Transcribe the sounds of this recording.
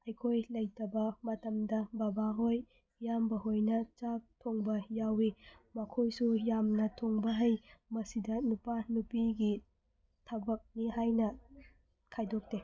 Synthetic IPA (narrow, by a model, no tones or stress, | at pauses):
ɐjkʰojlɐjtɐbɐmɐtɐmdɐbabaɦojː | ambɐɦojnɐt͡ʃap̚tʰoŋbɐjawimɐkʰojsujamnɐtʰoŋbɐɦɐjmɐsidɐnupanupiɡi | tʰɐbɐk̚niɦajnɐ | kʰajdok̚te